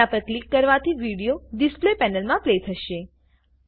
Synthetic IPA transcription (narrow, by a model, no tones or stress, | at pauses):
apəɾklikːəɾʋat̪ʰiʋiɽijoɖisplepɛnəlmãplet̪ʰəʃe